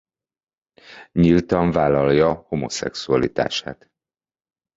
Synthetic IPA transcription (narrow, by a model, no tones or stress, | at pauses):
ɲilt̪ɒɱvaːlɒljɒho̞mo̞̰sɛ̰ksuɒlit̪a̰ːʃa̰ːt̪